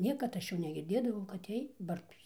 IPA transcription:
ˈnʲiɛkɐt ˈɐʃ ˈjuː nʲɛɡʲɪrʲˈdʲeːdɐʋɐʊ kɐt ˈjiɛj ˈbɐrtuːs

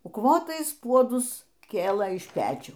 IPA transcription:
ʊkˈʋoːtɐɪs ˈpuɔdʊs ˈkʲeːlˠɘ ɪʃ ˈpʲæːt͡ʃʲuː

